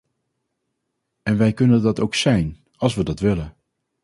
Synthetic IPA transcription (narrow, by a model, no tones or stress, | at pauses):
ɛnʋɛjkɵnəndɑtowksɛjn | ɑlˠsʋədɑtʋɪlən